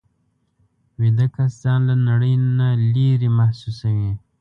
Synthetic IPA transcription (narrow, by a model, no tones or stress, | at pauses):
wid̪əkaszɑnlanaɽəjnaliɾimahsusawi